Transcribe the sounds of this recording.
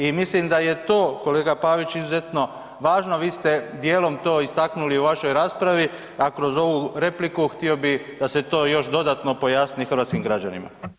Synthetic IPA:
imislimd̪aje̞t̪o̞ːko̞le̞ːɡapaːʋit͡ɕizuze̞t̪no̞ | ʋaːʒnoʋiːst̪e̞d̪je̞ːlˠo̞mt̪o̞ːist̪aknuliuʋaʃo̞jɾaːspɾaʋi | akɾo̞zo̞ʋuɾe̞plikuxt̪io̞bid̪̥ase̞t̪o̞ːjo̞ʃd̪o̞d̪aːt̪no̞po̞jaːsnixər̩ɾʋaːt̪skimɡɾad͡ʒanḭma̰

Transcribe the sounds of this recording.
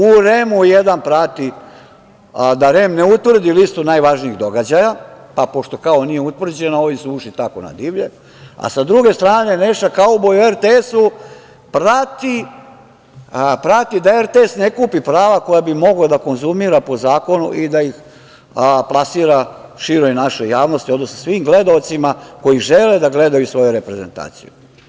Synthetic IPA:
uɾemujed̪anpɾat̪i | d̪aɾe̞mneut̪ʋr̩d̪ilist̪unaːjʋaʒniiɣd̪o̞ɡad͡ʑajapapo̞ʃt̪o̞kao̞nijeut̪ʋr̩d͡ʑe̞nao̞ʋisuuʃit̪ako̞̰na̰d̪iʋʎe | a̰sad̪ɾuɡe̞st̪ɾaːne̞neʃt̪akaobojueɾt̪eesu | pɾat̪i | pɾat̪id̪aeɾt̪eesne̞kuːpipɾaːʋako̞jabimo̞ɡlad̪ako̞nzumiɾapo̞zaːko̞nuʔid̪aix | plˠasiːɾaʃiɾojnaʃo̞jaːʋno̞st̪iod̪nosnosʋimɡle̞d̪aot̪simako̞jiʒe̞le̞d̪aɡle̞d̪ajusʋo̞juɾe̞pɾe̞ze̞nt̪a̰ːt̪sḭju

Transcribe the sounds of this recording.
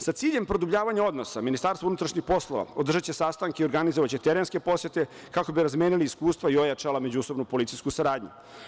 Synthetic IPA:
sat̪siːʎe̞mpɾo̞d̪ubʎaːʋaɲao̞d̪no̞saminist̪aːɾst̪ounut̪ɾaʃɲixpo̞slˠo̞ʋa̰od̪r̩ʒat͡ɕesast̪aŋkeio̞ɾɡanizoʋat͡ɕe̞t̪eɾenske̞po̞sjet̪e̞ | kako̞biɾazmeːniliːskuːst̪ʋaio̞jat͡ʃalame̞d͡ʑuso̞bnupo̞lit̪sijskusaɾaːd̪ɲṵ

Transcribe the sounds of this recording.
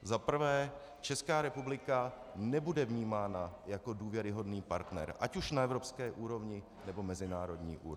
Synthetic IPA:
zapr̩vɛː | t͡ʃɛskaːɾɛpublɪka | nɛbudɛvɲiːmaːnajako̞duːvjɛɾɪɦo̞dniːpaɾt̪nɛ̰ɾʔacuʃnaɛvɾo̞pskɛːʔuːɾo̞vɲɪ | nɛbo̞mɛzɪnaːɾo̞dɲḭːʔṵːɾ

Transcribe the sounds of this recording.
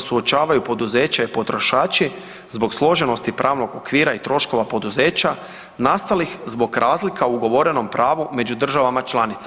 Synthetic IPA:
suo̞t͡ʃaːʋajupo̞d̪uze̞ːt͡ɕaipo̞t̪ɾo̞ʃaːt͡ʃi | zbo̞ɡslˠo̞ʒe̞no̞st̪ipɾʔaːʋno̞ɡo̞kʋiːɾait̪ɾo̞ʃko̞ʋapo̞d̪uze̞ːt͡ɕa | nast̪alixzbo̞ɡɾaːzlikʰaouɡo̞ʋo̞ɾe̞no̞mpɾaːʋume̞d͡ʑud̪r̩ʒaʋamat͡ʃlˠanit̪sa

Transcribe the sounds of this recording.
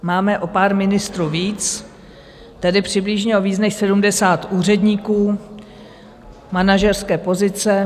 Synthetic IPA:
maːmɛʔo̞paːɾmɪnɪst̪ɾuːviːt͡s | t̪ɛdɪpr̝̥ɪblɪʒɲɛoviːznɛxsɛdumdɛsaːt̪ʔuːr̝ɛdɲiːkuː | manaʒɛrskɛːpo̞zɪt͡sɛ

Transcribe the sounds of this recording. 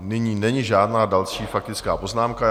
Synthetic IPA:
nɪɲiːnɛɲɪʒaːdnaːdalʃiːfak̚t̪ɪt͡skaːpo̞znaːmka

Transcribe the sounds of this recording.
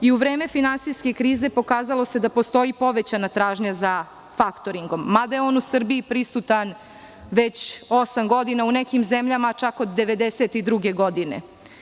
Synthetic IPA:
iuʋɾeːme̞finansiske̞kɾiːze̞po̞kaːzalˠo̞se̞d̪apo̞st̪o̞ipo̞ʋe̞t͡ɕanat̪ɾaːʒɲaza | fakt̪oɾiŋɡo̞mːad̪ajeonusr̩biːpɾisut̪an | ʋet͡ɕo̞samɡo̞d̪inaunekimzemʎamat͡ʃakod̪ːe̞ʋe̞d̪eset̪id̪ɾuɡe̞ɡo̞d̪inḛ

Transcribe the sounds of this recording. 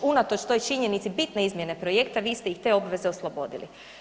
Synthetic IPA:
unat̪o̞t͡ʃt̪o̞jt͡ʃiɲe̞nit̪sibit̪ne̞izmʲje̞ne̞pɾo̞je̞kt̪aʋiːst̪ejixt̪e̞o̞bʋe̞ze̞oslˠobo̞̰d̪ḭlḭ

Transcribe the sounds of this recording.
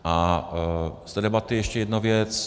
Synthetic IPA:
ʔa | st̪ɛdɛbat̪ɪjɛʃcɛjɛdnuvjɛt͡s

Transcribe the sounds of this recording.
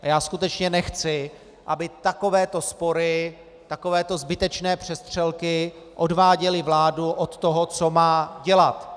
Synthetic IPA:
ajaːskut̪ɛt͡ʃɲɛnɛxt͡sɪ | ʔabɪt̪ako̞vɛːt̪o̞spo̞ɾɪ | t̪ako̞vɛːt̪o̞zbɪt̪ɛt͡ʃnɛːpr̝̥ɛst̪r̝̥ɛlkɪ | ʔo̞dvaːɟɛlɪvlaːduʔot̪ːoɦot͡so̞maːɟɛlat̪

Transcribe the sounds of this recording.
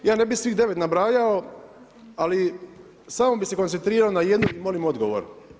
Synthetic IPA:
jaːne̞bixsʋiːɣd̪e̞ʋe̞t̪nabɾaːjao | ali | saːmobixse̞ko̞nt̪sent̪ɾiːɾaonajed̪nuimo̞limo̞d̪ɡo̞ʋo̰ɾ

